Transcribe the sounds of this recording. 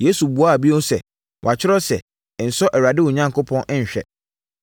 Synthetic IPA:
je˦su˨bu˨a˦˨bi˦o˦sɛ̰˨ | wʔa˨t͡ɕʰᶣɪ˦ɾɔ˦sɛ˨ | n̩˨sɔ˦ʔɛ˨ɾa˨dɪ˦wʊ˨ɲã˦ŋkʰʊ˦pʰɔ̃˦ñ̩˦ɲ̩˨ɕᶣɛ̰˨

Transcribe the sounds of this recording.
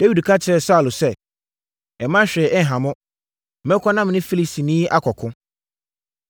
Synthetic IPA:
d̥ɛ˦wi˨dkʰa˦t͡ɕʰɪ˨˦ɾɛ˨sa˦˨lʊ˨sɛ˦˨ | ɛ˨mã˦ɕᶣɛ˨ʔɛ˦ŋ˨ɦã˨mʊ̃˦ | mɛ̃˦kʰɔ˦nã˦m˨nɪ̃˦fi˦li˨si˨nĩː˦ʔa˦kʰɔ˨kʰʊ̃˦

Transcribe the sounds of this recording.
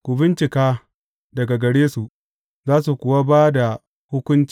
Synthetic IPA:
kʷʊ˨bɪ˦nt͡ʃɪ˨kaː˦ | dɐ˨ɡa˨ɡɐ˨ɽeː˦su˨ʔ | zaː˦su˨kʷʊ˨wa˦baː˦da˨ | hʊ˦kʷʊ˦nt͡ʃi̥˨

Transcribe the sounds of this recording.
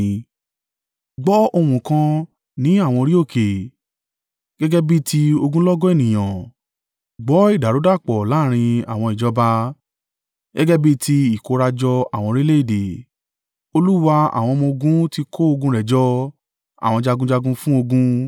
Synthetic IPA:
ɡ͡bɔ˨˦o˧wũ˨kã˧ | nĩ˨˦a˦˨w̃ɔ̃˧ɾi˦o˦˨ke˨ | ɡ̥ɛ˦ɡɛ˦bi˦ti˧o˧ɡũ˦lɔ˦ɡɔ˦e˦˨nĩ˨j̃ã˨ | ɡ͡bɔ˨˦i˦˨da˨ɾo˨˦da˦˨k͡pɔ˨la˦˨ɾ̃ĩ˧a̰˨w̃ɔ̃˧i˨d͡ʒɔ˧ba˧ | ɡɛ˦ɡɛ˦bi˦tʰi˧i˨ko˧˦ɾa˧d͡ʒɔ˧a̰˨w̃ɔ̃˧ɾi˦le˦i˦˨de˨ | o˧lu˦wa˧a̰˨w̃ɔ̃˧mɔ̃˧ɡũ˦ti˧ko˦o˧ɡũ˧ɾɛ˨d͡ʒɔ˧˦ | a̰˨w̃ɔ̃˧d͡ʒa˧ɡũ˧d͡ʒa˧ɡũ˧fũ˦o˧ɡũ˦

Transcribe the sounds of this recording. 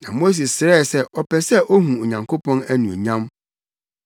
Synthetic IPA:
nã˨mo˦s̬e˨ssɪ˨ɾɛ˦˨sɛ˦˨ʔɔ˨pʰɛ˨sɛ˦˨ʔo˦ɦũ˨o˨ɲã˨ŋkʰo˦pʰɔ̃˦næ˦nũ˨o̰˨ɲã˦m

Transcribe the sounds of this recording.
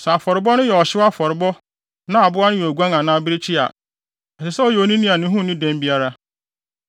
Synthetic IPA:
sɛ˨a˨fɔ˨ɾɪ˨bɔ˦nʊ̃˦jɛ˨ɔ˨ɕɪ˦wa˦fɔ˨ɾɪ˨bɔ˦ | nã˦a˨bʊ˦a˦nʊ̃˦jɛ˨æ˨ɡʷu˦ã˦ŋã˨nãː˦bɪ˦ɾe˦t͡ɕʰi˦a̰˨ | ɛ˨ɕɪ˨sɛ˦ɔ˦jɛ˨o˨nĩ˦nĩ˦a˨nɪ̃˦ɦũ˦nɪ̃˦dɛ̃˦m˦bi˦a˦ɾa˦

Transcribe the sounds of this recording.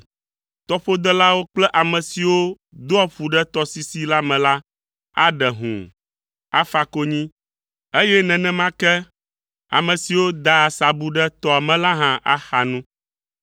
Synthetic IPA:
t̪ɔ˨ɸo˦d̪ɛ˦la˦wo˦k͡plɛ˦ʔa˨mɛ̃˨si˨wo˦ | d̪o˦ɔ˦ɸu˨ɖɛ˦t̪ɔ˦si˦si˦la˦mɛ̃˨la˦ | a̰˦ɖɛ˨ɦṵ̃˨ | a̰˦fa˦ko˦ɲĩ˦ | e˦jɛ˦nɛ̃˨nɛ̃˦mã˦kɛ˦ | a̰˨mɛ̃˨si˨wo˦d̪a˨sa˨bu˨ɖɛ˦t̪ɔ˨a˨mɛ̃˨la˦ɦã˦ʔa̰˦xa˨nũ˦

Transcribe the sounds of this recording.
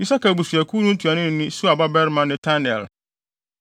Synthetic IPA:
i˦sa˦ka˨bu˨su˨æ˨kʰu˦nũ˦n˦tʰu˨a˨nɪ̃˦nɪ̃˨˦nɪ̃˦su˦a˨ba˦bɛ˦ɾmã˦nɪ̃˦tʰa˦nɛ˨l

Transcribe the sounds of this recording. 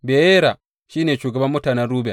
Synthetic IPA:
be˨e˦ɾa˨ | ʃi˦ne˨t͡ʃu˨ɡa˨ba˦mu˦ta˨na˨ɾu˦ba˨

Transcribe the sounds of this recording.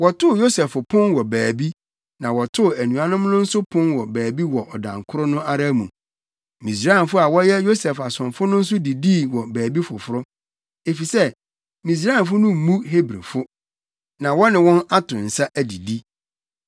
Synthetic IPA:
wɔ˨tʰʊ˦˨jo˦sɛ˨fʊ˨pʰʊ̃˦nwɔ˨bæː˨bi˦ | nã˨wɔ˨tʰʊ˦˨æ˨nũ˨a˨nʊ̃˦mnʊ̃˦n̩˦sʊ˦pʰʊ̃˦nwɔ˨bæː˨bi˦wɔ˨ʔɔ˨dã̰˨ŋkʰʊ˦ɾʊ˦nʊ̃˦a˦ɾa˦mṵ̃˨ | mĩ˨s̬ɾa˦ɛ˨n˨fʊ˦a˨wɔ˦jɛ˦jo˦sɛ˨fa˨sʊ̃˨nfʊ˦nʊ̃˦n̩˦sʊ˦di˨di˦˨wɔ˨bæː˨bi˦fʊ˨fʊ˦ɾʊ˦ | e˨fi˨sɛ˦ | mĩ˨s̬ɾa˦ɛ˨nfʊ˦nʊ̃˦m̩˨mũ˦ɦe˦bɾḛ˨fʊ˦ | nã˨wɔ˦nɪ̃˨wɔ̃˦na˦tʰʊ̃˨n̩˨sa˦ʔæ˨di˨di˦

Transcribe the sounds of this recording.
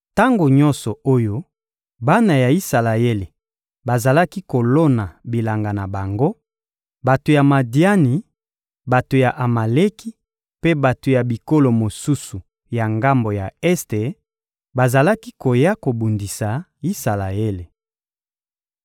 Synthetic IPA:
ta˦ŋɡo˨ɲɔ˦nsɔ˨o˦jo˦ | ba˦na˨ja˨i˦sa˨la˨e˦le˨ | ba˨za˨la˦ki˦ko˨lo˦na˨bi˨la˨ŋɡa˨na˨ba˨ŋɡo˦ | ba˨to˨ja˨ma˨di˦a˦ni˨ | ba˨to˨ja˨ʔa˨ma˨le˦ki˦ | pe˦ba˨to˨ja˨bi˨ko˦lo˨mo˨su˦su˨ | ja˨ŋɡa˦mbo˨ja˨ɛ˦ste˨ | ba˨za˨la˦ki˦ko˨ja˦ko˨bu˨ndi˨sa˨ | i˦sa˨la˨e˦le˨

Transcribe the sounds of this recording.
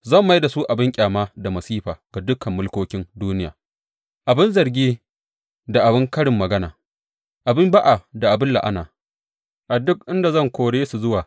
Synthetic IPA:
zɐ˦˨mːa˦jda˨su˦ʔa˨bɪ˦ŋkʲʼaː˨maː˦da˨mɐ˨siː˦ɸaː˨ɡ̥a˨dʊ˦kɐ˨mːʊ˦lkʷoː˦kʲɪ˦nduː˦nɪ˦ja̰ː˨ | ʔa˨bɪ˦nzɐ˨ɾɡʲiː˦ | da˨ʔa˨bɪ˦ŋkɐ˦ɽɪ˨mːɐ˨ɡɐ˦na̰ː˨ | ʔa˨bɪ˦mba˦ʔa˨da˨ʔa˨bɪ˦lːa̰˨ʔa̰˦naː˨ | ʔa˨dːʊ˦k̚ʔɪ˦nda˨zɐ˦˨ŋkʷoː˨ɽeː˦su˨zʊ˦waː˨

